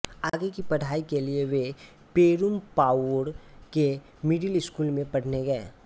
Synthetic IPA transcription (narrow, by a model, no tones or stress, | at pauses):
aːɡekipɐɽ̤aːikelieʋe | peːɾumpaːəɽke | mɪɖəlɪskuːlmẽpɐɽ̤neɡɐḛː